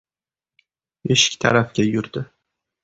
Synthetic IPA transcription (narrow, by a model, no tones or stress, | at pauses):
eʃɪ̥kʲt̪ʰaɾafɡʲajʊɾd̪ɪ